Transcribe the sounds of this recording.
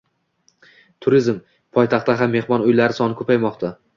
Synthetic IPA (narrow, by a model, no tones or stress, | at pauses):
t̪ʰʊɾɪzm | pʰɒjt̪ʰaχt̪aɦamːe̞hmɒnʊjlaɾɪsɒnɪkʰɵpʰajmɒqt̪ʰa